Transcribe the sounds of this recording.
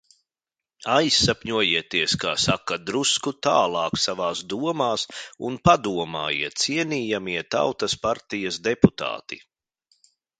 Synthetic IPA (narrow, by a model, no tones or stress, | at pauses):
ajsːapʲɲuɔjiɛt̪iɛskaːsakad̪ɾuskut̪aːlˠɑːksavaːsd̪uɔmaːsunpad̪uɔma̰ːjḭɛt̪̚t̪siɛniːjamiɛt̪a̰wt̪ɐspaɾt̪ijɐsd̪ɛput̪a̰ːt̪ḭ